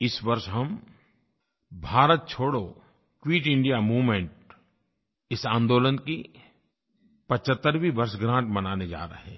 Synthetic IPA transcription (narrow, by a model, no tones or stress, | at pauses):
ɪsʋɐɾʃɦɐm | bʱaːɾət̪̚t͡ʃʰoːɽo | kwiːʈɪ̃ɳɖijamuːʋmẽɳʈ̚ | ɪsãːnd̪oːlənki | pət͡ʃət̪ːəɾʋibɐɾsɡɾãːɳʈmɐnaːned͡ʒa̰ːɾə̰ɦɛː